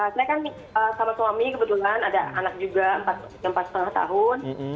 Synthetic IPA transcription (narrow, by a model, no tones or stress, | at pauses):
əsajakan | əːsamasuamikəbət̪ulanadaanak̚d͡ʒuɡaəmpat̪̚ | əmpat̪sə̥t̪əŋaht̪a̰ɦʊn